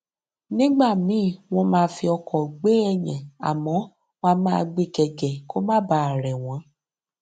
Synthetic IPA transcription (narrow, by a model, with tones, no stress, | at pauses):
nĩ˦ɡ͡ba˦˨mĩ˨˦˨w̃ɔ̃˧mãː˦˧˦fi˧ɔ˧kʰɔ˨ɡ͡be˨˦ɛ˦˨j̃ɛ̃˨a̰˨mɔ̃˨˦ | wa˧mãː˦˧ɡ͡be˧kɛ˨ɡɛ˨ko˦mã˦˨ba˨˦˨a˨ɾɛ˨w̃ɔ̃˨˦